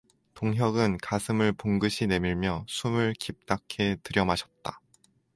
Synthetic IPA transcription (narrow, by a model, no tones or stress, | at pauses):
toŋɦjʌɡɯnkasʰɯmɯɭpoŋɡɯɕʰine̞miɭmjʌsʰumɯɭkip̚t͈akʰe̞tɯɾjʌmaɕʰʌt̚t͈a